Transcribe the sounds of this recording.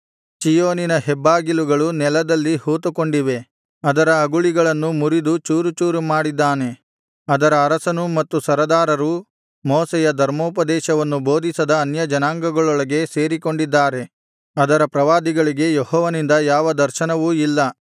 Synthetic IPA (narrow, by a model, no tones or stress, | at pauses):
t͡ʃijoːninɐɦɛbːaːɡiluɡɐɭunɛlɐd̪ɐlːihuːt̪uko̞ɳɖiʋe̞ | ɐd̪ɐɾɐːɡuɭiɡɐɭɐnːumuɾid̪ut͡ʃuːɾut͡ʃuːɾumaːɽid̪ːaːne̞ | ɐd̪ɐɾɐːɾɐsɐnumɐt̪ːusɐɾɐd̪aːɾɐɾu | moːsɛjɐd̪ʱɐɾmoːpɐd̪ɛːʃɐʋɐnːubo̞ːd̪ʱisɐd̪ɐːnjɐd͡ʒɐnaːŋɡɐɡɐɭɔɭɐɡe̞se̞ːɾiko̞ɳɖid̪ːaːɾe̞ | ɐd̪ɐɾɐpɾɐʋaːd̪iɡɐɭiɡe̞jehɔːʋɐnind̪ɐjaːʋɐd̪ɐɾʃɐnɐʋuilːɐ